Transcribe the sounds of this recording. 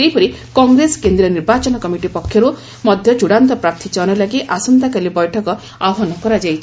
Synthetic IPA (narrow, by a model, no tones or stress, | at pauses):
ejpɔɾi | kɔŋɡɾesɔ̥kend̪ɾiɔniɾbat͡ʃɔnɔkɔmiʈipɔkʰːjɔɾu | mɔd̪ʱjɔd͡ʒuɽant̪ɔpɾap̚t̪ʰit͡ʃɔñɔlaɡiʔasɔnt̪akalibɔjʈʰɔkɔ | aɔɦɔnɔkɔɾad͡ʒajt͡ʃʰ